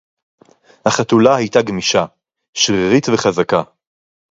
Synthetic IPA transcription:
haχatulahajtaɡmiʃa | ʃʁiʁit̪veχazaka

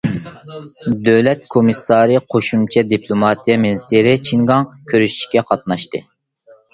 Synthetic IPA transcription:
d̪øwlɛt̪̚kʰomɨsɑːɾɨqʰoʃumt͡ʃʰɛd̪ipʰlˠomɑt̪ʰijɛminst̪ʰeɾɪt͡ʃʰiŋɡɑŋkʲʰøɾyʃi̥ʃkʲɛqʰɑt̪̚nɑʃt̪ɨ

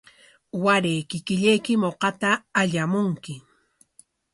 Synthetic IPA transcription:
waɾejkɪkɪʎejkɪmoqɑt̪aːʎamʊŋkɪ

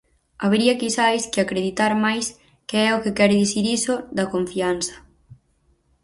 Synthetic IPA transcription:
aβeɾiɐkisajskɪakɾeðit̪aɾmajs | keɛʊkɪkɛɾɪðiθiɾisʊðɐkoɱfianθɐ̥

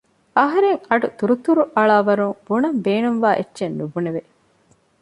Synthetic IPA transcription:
ʔɐɦɐɾeŋɐɖut̪uɾut̪uɾuʔɐɭaːʋɐɾuŋbunɐmbeːnumʋaːʔḛtːʃenːubuneʋe

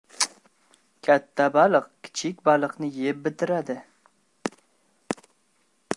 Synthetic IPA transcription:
kʲʰat̪ʰːabalˠɨqkʲʰɪ̥t͡ʃʰɪkʲbalˠɨqnɪjep̚bɪt̪ɪɾad̪ɪ

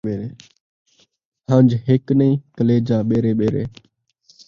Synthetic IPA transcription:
eːɾeː | hə̃ːɲd͡ʒɦɪknəĩːkəleːd͡ʒãːɓeːɾeːɓeːɾḛː

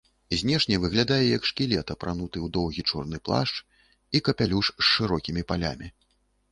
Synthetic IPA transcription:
zʲnʲɛʂnʲɛvɨɣlʲad̪ajɛjɐkʂkʲilʲɛt̪ɐpɾanut̪ɨwd̪ɔwɣʲit͡ʂɔrnɨplˠa̰ʂt͡ʂ | ikɐpʲalʲuʂsːɨɾɔkʲimʲipalʲa̰mʲi

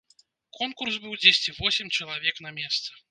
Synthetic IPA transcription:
kʰɔnkursbɨwd͡zʲesʲt͡sʲivɔsʲɪmʲt͡ʂɐlˠavʲɛkn̪ɐmʲɛst̪sɨ̥

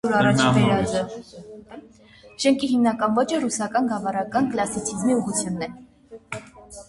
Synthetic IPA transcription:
uɾɑrɑt͡ʃʰip̪ɛɾɑzə | ʃɛŋkʰiɦimnɑkɑnvɔt͡ʃʰərusɑkɑnɡɑvɑɾɑkɑnklɑsit͡sʰizmiuʁut͡sʰjunːɛ

